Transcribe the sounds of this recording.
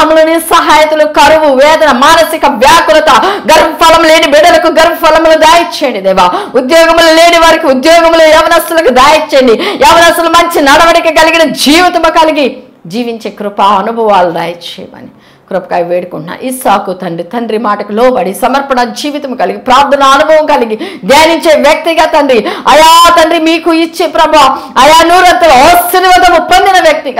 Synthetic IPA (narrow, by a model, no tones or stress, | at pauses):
mulonisɐɦaːjɐt̪ulukɐɾuʋuʋɛːd̪ɐnɐmaːnɐsikɐʋjaːkulɐt̪ɐɡɐɾpɐpʰɐlɐmle̞ːnibɛɽɐlɐkuɡɐɾpɐpɐlɐmloːd̪aːjɐt͡ʃːeːɳɖid̪ɛːʋaːud̪jɔːɡɐmulole̞ːniʋɐɾikiud̪jɔːɡɐmloːɛʋɐnɐsulɐkud̪aːjit͡ʃːeːɳɖiɛʋɐnɐst̪ulumɐɲt͡ʃinɐɽɐʋɐɽikɐɡɐliɡinɐd͡ʒiːʋit̪ɐmɐkɐliɡi | d͡ʒiːʋiɲt͡ʃeːkɾupaɐnubʱɐʋaːld̪a̰ːjɐt͡ʃɛ̰jɐmɐ̰ni | kɾupɐkaːjʋeːɽukuɳʈna̰ʔisaːkut̪ɐɳɖɾit̪ɐɳɖɾimaːʈɐkiloːʋɐɽisɐmɐɾpɐɳɐd͡ʒiːʋit̪ɐmɐkɐliɡipɾaːɾd̪ʱɐnɐːnubʱɐʋɐmkɐliɡid̪jaːniɲt͡ʃe̞ːʋjɐk̚t̪iɡaːt̪ɐɳɖɾiɐjaːt̪ɐɳɖɾimiːkuit͡ʃːepɾɐbʱaːɐjaːnuːɾɐnt̪ɐlɐosiɾiʋɐnd̪ɐmut̪̚pːɐnd̪inɐʋjɐk̚t̪iɡa